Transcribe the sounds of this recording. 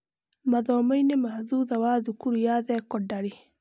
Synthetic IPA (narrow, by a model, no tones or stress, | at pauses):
maðɔːmainemahðuðawaːðukuɾujaðɛkɔdaɾe